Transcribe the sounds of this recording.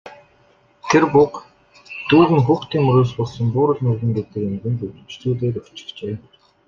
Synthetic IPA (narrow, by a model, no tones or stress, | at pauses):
t̪ʰerpʊk | t̪uːɣɘ̆ŋxuːxt̪iːŋɵɾoːspɔɮsɞ̆mpuːɾə̆ɮnuːɣɘ̆ŋɡet̪ɘ̆kemɡ̪ɘ̆nt̪utɘ̆t͡ɕɮuːɮeːɾʊ̥t͡ɕɪ̥̆kt͡ɕeː